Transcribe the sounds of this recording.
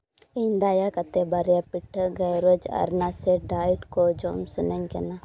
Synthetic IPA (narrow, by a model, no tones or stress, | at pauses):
iːnd̪aːjakɐt̪ebɐɾjapɪʈʰəɡɐjɾod͡ʒɐ̰ɾnaseɖaːiʈkoːd͡ʒoːmsʊneŋkɛna